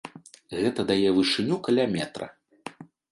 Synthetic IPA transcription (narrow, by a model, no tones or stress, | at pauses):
ɣɛt̪ɐd̪ajɛvɨʂɨnʲukalʲamʲɛt̪ɾɐ̰